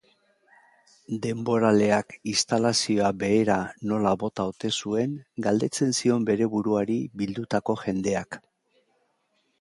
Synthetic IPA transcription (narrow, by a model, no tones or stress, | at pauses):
d̪e̞mbo̞ɾale̞akist̪alasio̞abe̞ːɾano̞laβo̞t̪awt̪e̞sue̞ŋɡald̪e̞t͡se̞nsio̞mbe̞ɾe̞βuɾuaɾiβild̪ut̪ako̞ʝe̞nd̪e̞ak